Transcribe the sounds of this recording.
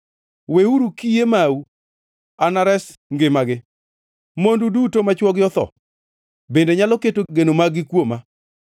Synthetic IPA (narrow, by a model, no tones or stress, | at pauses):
weuɾukijemau | anaɾɛs | ŋɡɪmaɡɪ | mondudutomat͡ʃwɔɡjɔt̪ɔ̰ | bendeɲalɔketoɡenomaɡɪkwoma